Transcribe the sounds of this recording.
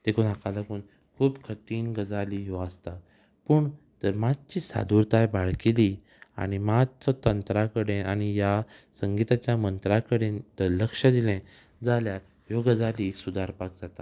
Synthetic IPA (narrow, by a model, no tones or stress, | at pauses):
t̪ekʰuːnakalakuːn | kʰuːpkʰət̪iːnɡəd͡zaliɦɔəst̪a | pəɳt̪əɾmad̚t͡ɕiːsa̰d̪uɾt̪ajbaɭkeli | a̰ɽ̃imadt͡sɔt̪ənt̪ɾakəɽẽaɽ̃ijasəŋɡit̪at͡ɕjamənt̪ɾakəɽẽnt̪əɾləkʂəd̪ilɛ̃ | d͡zalja | joɡəd͡zalisud̪ʱaɾpak̚d͡zat̪a